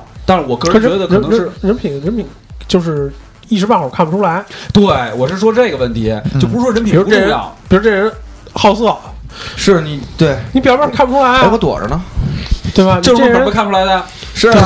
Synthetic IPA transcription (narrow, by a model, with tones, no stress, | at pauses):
t̪a˥˧ʂ̩˥˩wɔ˨˩kɤ˥˧kʰɤ˧˥ɻə˧˥də˧ə˨˥n˧˥ə˥ʂɻ̩˥˧ɻə˧˥npʰi˨˩ŋɻə˧˥npʰi˨˩˦ŋ | t͡ɕjo˥˧ʊʂ̬ɻ̩˥˩ | i˥˩ʂɻ̩˧pa˥˩xɔ˨˩kʰa˥˩npu˨˩ʈ͡ʂʰu˥la˧˥ɪt̪we˥˩ɪwɔ˨˩ʂɻ̩˥˩ʂwɔ˥ʈ͡ʂɤ˥˩˧ɡə˩wə˥˩nt̪ʰi˧˥˧t͡ɕo˥˩ʊpu˧u˧˥wɔ˥ə˧˥npi˨˩˧ʈ͡ʂjɑ̰˥˩˦ŋpi˨˩ɻʈ͡ʂe˥˩˧ɻə˧˥n | xɑ˥˧ʊsɤ˥˩ | ʂɻ̩˥˩ni˧˩˥t̪we˥˩ɪni˧˥pi˨˩˥kʰa˥˩pʰu˨˩u˥la˧˥ɪ˥wɔ˧˥t̪wɔ̰˨˩ʈ͡ʂə̰˧˦nə˧t̪we˥˩bɐ˨˩n˥˧ʂʈ͡ʂə˨ə˧˥n˧˥kʰa˥˩˧nʈ͡ʂʰu˥la˧˥ɪd̪ə˧ʂɻ̩˥˩˥